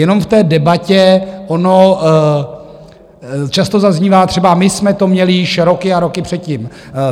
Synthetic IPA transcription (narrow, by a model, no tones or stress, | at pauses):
jɛno̞mft̪ɛːdɛbacɛʔono | t͡ʃast̪o̞zazɲiːvaːt̪r̥ɛbamɪsmɛt̪o̞mɲɛlɪjɪʃɾo̞kɪaɾo̞kɪpr̝̥ɛt̪̚cim